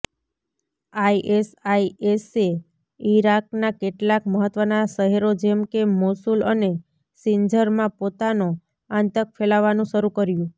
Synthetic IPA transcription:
ajʔesaiese | iɾak̚nakeʈlakməɦət̪ʋənaʃəɦeɾod͡ʒɛmkemosuləne | sɪɲd͡ʒəɾmãpot̪ano | ãnt̪ək̚fʰelaʋːanũʃəɾũkəɾjũ

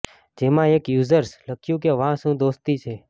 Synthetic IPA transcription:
d͡ʒemãekjuzəɾsləkʰjũk̬eʋãʃũd̪ost̪it͡ʃʰe

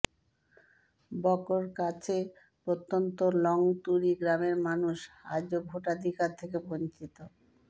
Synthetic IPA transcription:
bɔkoɾkat͡ɕʰe | pɾot̪ːont̪olɔŋt̪uɾiɡɾameɾmanuʃa̰d͡ʑobʱoʈad̪ʱikaɾt̪ʰekebont͡ɕit̪o

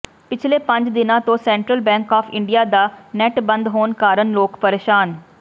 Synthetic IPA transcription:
pɪt͡ʃʰleːpə̃ɲd͡ʒd̪ɪnãːt̪õːsɛ̃ːɳʈɾəlbɛ̃ːŋkaːpʰɪ̰̃ɳɖijaːd̪aːnɛʈbə̃nd̪ɦoːnkaːɾənloːkpəɾeːʃaːn

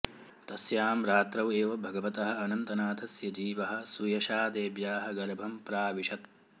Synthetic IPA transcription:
t̪ɐsjaːmɾaːt̪ɾɐʋeːʋɐbʱɐɡɐʋɐt̪ɐɦɐ̆ɐnɐnt̪ɐnaːt̪ʰɐsjɐd͡ʒiːʋɐɦɐ̆sujɐʃaːd̪eːbjaːɦɐ̆ɡɐɾɐbʱɐmpɾaːʋiʃɐt̪̚

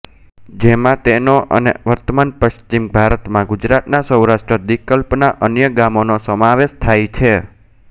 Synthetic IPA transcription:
d͡ʒemãt̪enoʔə̰nḛʋəɾt̪əmanpəʃt͡ʃimbʱaɾət̪mãɡud͡ʒɾat̪nasəwɾaʃʈɾəd̪ikəlpnaʔənjəɡamonosəmãʋeʃt̪ʰajt͡ʃʰe

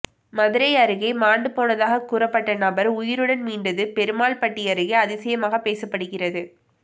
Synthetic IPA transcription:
mɐðɪɾɐɪɐɾɯɣɐɪmaːɳɖɯpoːnɐðaːɣɐkuːɾɐpːɐʈːɐnɐbɐɾʊjɪɾɯɽɐnmiːɳɖɐðɯpɛɾɯmaːɭpɐʈːiɐɾɯɣɐɪɐðɪsɐjɐmaːɣɐpeːsɐpːɐɽɯɣɪrɐðɯ

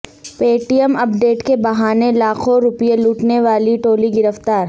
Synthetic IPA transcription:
peːʈijəmɐp̚ɖeːʈkebɐɦaːnelaːqʰõɾʊpijeluːʈneʋaːliʈoːliɡɪɾəft̪aːɾ

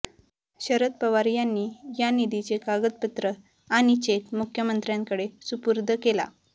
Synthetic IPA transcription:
ɕəɾət̪̚pəʋaɾjanːiːjanid̪it͡sekaɡət̪̚pət̪ɾə | añit͡ɕekmukʰjəmənt̪ɾjãŋkəɽesupuɾd̪ʱəkela̰

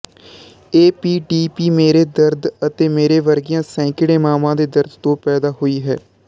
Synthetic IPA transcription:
eːpiːɖiːpiːmeːɾeːd̪əɾd̪ət̪eːmeːɾeːʋəɾɡɪjãːsɛ̃ːkɪɽẽːmaːmãːd̪eːd̪əɾd̪t̪õːpɛːd̪aːɦoːiːɦɛ̰ː

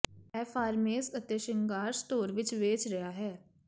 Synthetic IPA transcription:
ɛːfʰaːɾmeːsət̪eːʃɪŋɡaːɾst̪oːɾʋɪt͡ʃʋeːt͡ʃɾəjaːɦɛː

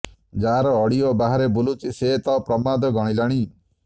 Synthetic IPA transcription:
d͡ʒaɾɔːɽijɔbaɦaɾebulut͡ʃiset̪ɔpɾɔmad̪ɔɡɔɽ̃ilaɽ̃i

